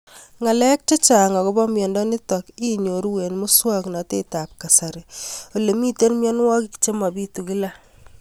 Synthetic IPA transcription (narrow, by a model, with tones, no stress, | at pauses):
ŋa˨lɛ˦k̚t͡ʃe˦t͡ʃa˨ŋɔ˨ko˦bɔ˦mjɔ˨ndɔ˦nɪ˦tɔ˨ki˦ɲo˨ɾu˦we˨nmʊ˦swa˦kna˨te˦ta˨p̚ka˨sa˨ɾe˨o˨le˨mi˦te˦nmjɔ˦nwɔ˦ki˦kt͡ʃe˦ma˨bi˦tu˨ki˦la˦